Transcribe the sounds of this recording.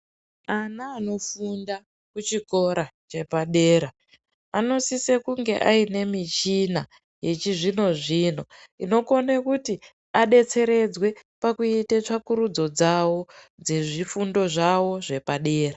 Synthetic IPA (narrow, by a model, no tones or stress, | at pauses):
anaːno̞funda | kut͡ʃiko̞ɾat͡ʃe̞paɗe̞ːɾa | ano̞sisekuŋɡe̞̰ʔaine̞mit͡ʃina | je̞t͡ʃiʐino̞ʐino̞ino̞konekuti | aɗe̞t͡se̞ɾe̞d͡zwe̞pakuitet͡ʂakuɾud͡zo̞d͡zawo̞ | d͡ze̞ʐifundo̞ʐawo̞ʐe̞paɗe̞ːra